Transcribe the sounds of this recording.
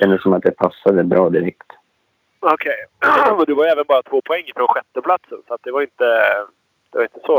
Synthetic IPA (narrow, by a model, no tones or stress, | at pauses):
ɛnd̪əsːɔmat̪̚d̪ɛpʰasːad̪əbɾɑːd̪ɪɾɛkt̪ | ɔkʰejɔnd̪ɛvaɾjɛːvənbɑːɾat̪ʰv̥oːpʰɔɛŋːəfɾoɔnɧɛt̪ːəpʰlat̪sənsɔat̪̚d̪ɛvaɾɪnt̪ə | d̪̥ɛvaɾɪnt̪ə̥sɔ